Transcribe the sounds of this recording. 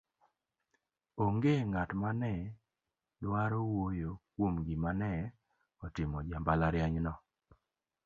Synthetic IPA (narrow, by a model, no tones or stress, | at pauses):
oŋɡeŋatmanɛ | lwaɾowojokwomɡimanɛ | ɔtɪmɔd͡ʒambalaɾjaɲnɔ